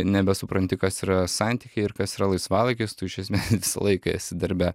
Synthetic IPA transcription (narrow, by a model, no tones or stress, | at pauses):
nʲɛbʲɛsʊpɾɐnʲt̪ʲɪkɐsiːɾɐsɑnʲt̪ʲiːkʲɛɪɪɾkɐsiːɾɐlˠɐɪsʋɑːlˠɐɪkʲɪst̪ʊɪʃʲɛsʲmʲeːsʋʲɪsɐ̰lˠɐɪkɐɐ̰t̪ʲsʲɪd̪ʲɪɾʲbʲɛ